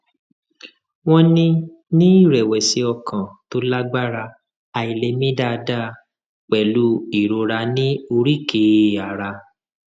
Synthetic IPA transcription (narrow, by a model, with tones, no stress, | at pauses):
w̃ɔ̃˦nĩ˦ | nĩ˦i˦˨ɾɛ˨wɛ˨si˧ɔ˧kʰã˨to˦la˦ɡ͡ba˦ɾa˧ | a˧˨i˨le˧mĩ˦da˦˧da˦˨˦ | k͡pɛ˨lu˨˦i˨ɾo˧ɾa˧nĩ˦o˧ɾi˦˨ke˨a˨ɾa˧